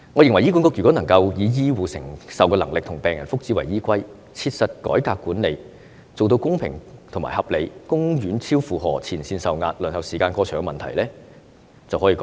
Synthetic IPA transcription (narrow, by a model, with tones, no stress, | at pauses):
ŋɔ˨˧jɪ˨ŋwɐ˨˩ji˥ku˨˥kɔː˧kjy˨˩kɔː˨˥nɐ˨˩ŋkɐ˧wjiː˨˧jiː˥wuː˨sɪ˨˩ŋsɐ˨wkɔː˧lɐ˨˩ŋlɪ˨k̚t̪ʰʊ˨˩ŋpɛː˨˩ŋjɐ˨˩nfʊ˥k̚t͡si˨˥wɐ˨˩jiː˥kʷɐ˥j | t͡sʰiː˧t̚sɐ˨t̚kɔ̰ː˨˥jkaː˧kːuː˨˥nle˨˧j | t͡so˨wt̪o˧wkʊ˥ŋpʰɪ̰˨˩ŋt̪ʰʊ˨˩ŋma̰ː˨˩hɐ˨p̚le˨˧jkʊ˥ŋɥyː˨˥nt͡sʰiː˥wfuː˨ɦɔ̰ː˨˩t͡sʰiː˨˩nsiː˧nsɐ˨wŋaː˧t̚lɵ˨nhɐ˨wsiː˨˩kaː˧nkɔː˧t͡ʃʰœː˨˩ŋkɛ˧mɐ˨nt̪ʰɐ̰˨˩jlɛː˥ | t͡sɐ˨wɦɔ˨˥iː˧kɔː˨˦˥